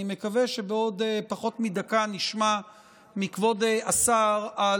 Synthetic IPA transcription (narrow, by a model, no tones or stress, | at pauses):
ime̞kave̞ʃe̞beo̞d̪paχo̞tmidakaniʃma | mikvo̞deasaʁa